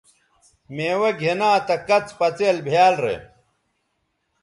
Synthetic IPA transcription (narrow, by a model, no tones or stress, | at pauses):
meːwɐɡʱenaːt̪ɐkɐt͡spɐt͡seːlbʱjaːlɾḛ